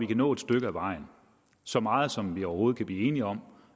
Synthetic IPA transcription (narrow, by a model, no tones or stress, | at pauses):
ʋikʰænɔ̰ːe̝d̥sd̥øɡ̥əæʋɑ̈ɪ̰n̩ | sɒ̽mɑ̈ːð̞̩ˠsɒ̽mʋiɒʊɐho̝ːð̞̩ˠkæb̥lḭːe̝ːniɒ̽m